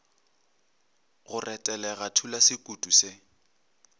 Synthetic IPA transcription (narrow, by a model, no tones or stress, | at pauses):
ɣʊrʔɛtʼɛlɛɣatʰulasɪkʼutʼusɪ